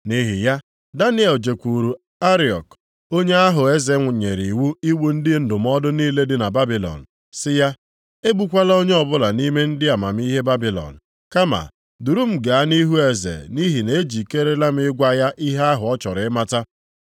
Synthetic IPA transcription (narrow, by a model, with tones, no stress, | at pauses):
ni˦ɦɪ˨ja˦ | da˦ni˦e˨ld͡ʒe˨kʷu˨ɾu˨ | a˦ɾi˨ɔ̰˨k | o˦ɲe˦a˦ɦʊ˨e˦ze˨˦ŋʷʊ˨ɲe˨ɾi˨wu˦i˦wu˦n̩˦dɪ˦n̩˦dʊ˨m̩˦ɔ˦dʊ˦niː˦le˦dɪ˦na˨ba˦bi˨lɔ̰˨n̩˨ | sɪ˦ja˦ | e˦bu˨kʷa˦la˦o˦ɲe˦ɔ˨bʊ˦la˨ni˦me˦n̩˦dɪ˦a˨ma˨m̩˦i˦ɦe˦ba˦bi˨lɔ̰˨n̩˨ | ka˦ma̰˨ | du˨ɾu˦m̩˦ɡa˨a˦ni˦ɦu˦e˨zḛ˨ni˦ɦi˨ne˨e˦d͡ʒi˨ke˦ɾe˦la˦m̩˦ɪ˦ɡʷa˦ja˦ʔi˦ɦe˦a˦ɦʊ˨ɔ˦t͡ʃɔ˨ɾɪ˦˨ɪ˦ma˦ta˦